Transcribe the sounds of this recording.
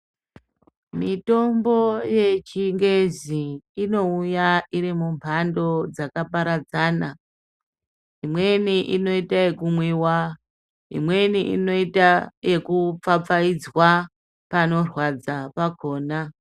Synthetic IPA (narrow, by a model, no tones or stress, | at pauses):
mito̞mbo̞je̞t͡ʃiŋɡe̞ziːno̞ujaiɾimumpʰando̞d͡zakapaɾad͡zaːna | imwe̞niʔino̞itaje̞kumwiwa | ḭmwe̞niʔḭno̞itaje̞kup͡fap͡faid͡zwa | pano̞rwad͡zapakʰo̞ːna